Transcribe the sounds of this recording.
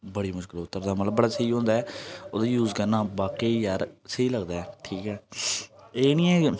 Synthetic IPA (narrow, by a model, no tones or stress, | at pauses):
bəɽiːmʊʃkɪlʊt̪ːəɾd̪aːmət̪ləbːəɽaːsəiːɦõːnd̪aːɛːoːd̪aːjuːzkənãːbaːkeːjaɾsəiːləɡd̪aːɛːʈʰiːkɛː | eːniːɛ̃ː